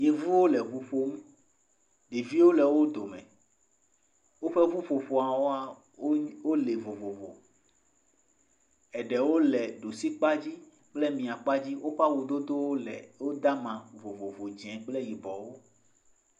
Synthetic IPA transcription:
je˦vu˦wo˦lɛ˨vu˦ɸo˦mũ˦ | ɖe˨vi˦wo˦lɛ˨wo˦d̪o˨mɛ̰̃˨ | wo˦ɸɛ˦vu˦ɸo˨ɸo˨a˨wo˦a˦˨˦ | wo˦le˨vo˨vo˨vo̰˨ | ɛ˨ɖɛ˨wo˦lɛ˨ɖo˨si˦k͡pa˦d͡ʑi˦ | k͡plɛ˦mĩ˨a˨k͡pa˦d͡ʑi˦wʔo˦ɸa˦wo˨d̪o˦d̪o˦wo˦˨wo˦d̪a˦mã˨vo˨vo˨vo˨d͡ʒɛ̃˨k͡plɛ˦ji˨bɔ˨wo˦

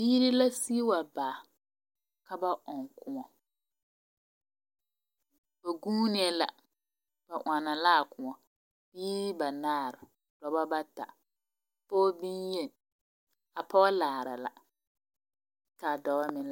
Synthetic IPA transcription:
biː˦ɾɪ˦la˦si˦wa˨baː˨ | ka˦ba˦ʔɔ˨ŋkʊ˦ŋɔ˨ | ba˨ɡuː˦nɪ˦ɛ˦la̰˨ | b̥a˨ʔa˨na˨la˦˨kʊ˨ŋɔ˨ | b̥iː˦ba˨naː˦˨ɾɪ˨ | d̥ɔ˨ba˦ba˦ta̰˨ | poː˦bi˦nje˦ | a˨pɔ˦ɣa˦laː˨ɾa̰˨la̰˨ | ka˨dɔ˨wa˦mɪ˨l

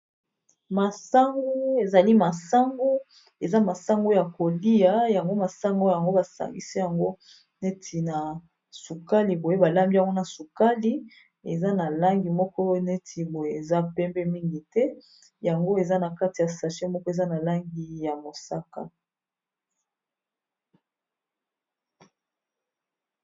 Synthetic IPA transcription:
ma˨sa˦ŋɡo˦e˨za˨li˦ma˨sa˦ŋɡo˦ | e˨za˦ma˨sa˦ŋɡo˦ja˨ko˨li˦ja˨ja˨ŋɡo˦ma˨sa˦ŋɡo˦ja˨ŋɡo˦ba˨sa̰˨ŋɡḭ˦si˦ja˨ŋɡo˦ | ne˦tʰi˨na˨ | su˨ka˦li˨bo˨je˦ba˨la˦mbi˦ja˨ŋɡo˦na˨su˨ka˦li˦ | e˨za˦na˨la˦ŋɡi˨mɔ˦kɔ˦ne˦tʰi˨bo˨je˦e˨za˦pɛ˦mbɛ˦mi˦ŋɡi˨tɛ˦ | ja˨ŋɡo˦e˨za˦na˨ka˦ti˨ja˨sa˨ʃe˦mɔ˦kɔ˦e˨za˦na˨la˦ŋɡi˨ja˨mo˨sa˦ka̰˨

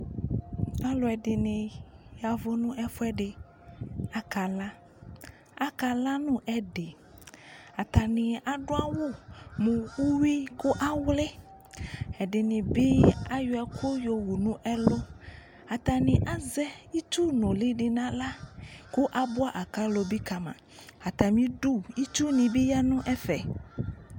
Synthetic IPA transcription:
a˦lɔ˨ɛ˨ɖɪ˨nɪ̃˨ja˨vo˦nũ˦ʔɛ˦fʊ˦ɛ˦ɖɪ˨ | a˨ka˨la˦ | a˨ka˨la˦nũ˦ʔɛ˦ɖe˨ | a˨t̪a˨nɪ̃˨a˨ɖo˦a˦wo˦mũ˨wu˦wi˦ku˦ʔa˦wle˦ | ɛ˨ɖe˨nĩ˨bi˦a˦jo˨ɛ˨kʰo˦jo˨wu˨nũ˦ʔɛ˦lo˦ | a˨t̪a˨nɪ̃˨ʔa˦zɛ˦i˦t͡ʃu˦nõ˨lɪ˦ɖɪ˨nã˦la˦ku˦ʔa˦bo˦a˦ʔa˨ka˦lo˨bi˦ka˨mã̰˨ | a˨t̪a˨mĩ˦ɖu˦i˦t͡ʃu˦nĩ˨bi˦ja˦nũ˦ʔɛ˦fɛ̰˨

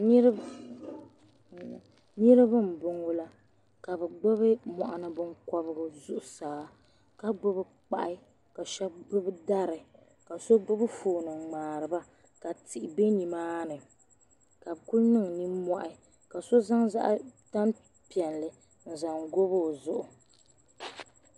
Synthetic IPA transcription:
n˦ɾ | nɨ˦ɾɨ˦bɨ˦m̩˨bʊ˨ŋo˦la˦ | ka˨bɨ˨ɡ͡bo˦βɨ˦mɔ̰˨ʔa˨nɨ˦bɨ˦ŋkɔ˦bɨ˦ɡɨ˦zʊ˦ʔʊ˨˦saː˨ | ka˦ɡ͡bo˦bɨ˦ | k͡pa̰˦ʔɪ˦ | ka˨ʃɛ˦b̚ɡ͡bʊ˦bɨ˦da˦ɾɨ˨ | ka˨so˦ɡ͡bo˦bɨ˦foː˨nɨ˨ŋ͡maː˨ɾɨ˨ba˦ | ka˨tʰi˨ʔɪ˨be˦ni˨maː˦nɨ˨ | ka˨bku˦lnɨ˦ŋ˨ni˦mɔ˦ʔɪ˦ | ka˨so˦za˦ŋza̰˦ʔta˦n | pi˨ɛ˨nlɨ˨ | n̩˨za˨ŋɡo˦bo˦˨zʊ˦˨ʔʊ˨

